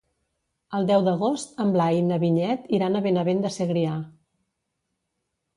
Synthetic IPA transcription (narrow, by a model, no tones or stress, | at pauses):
əlˠd̪ɛwd̪əɣost̪əmblajnəβiɲɛt̪iɾanəβenəβend̪əseɣɾia